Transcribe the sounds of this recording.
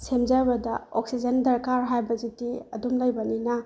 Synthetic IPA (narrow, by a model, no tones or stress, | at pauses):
semzabɐdɐoksid͡ʒendɐɾkaɾɦajbɐzitiɐdumlɐjbɐninɐ